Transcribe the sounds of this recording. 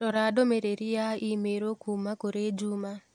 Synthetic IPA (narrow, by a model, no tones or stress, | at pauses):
ɾɔɾadomeɾeɾijaimeɾokumakoɾed͡ʒuma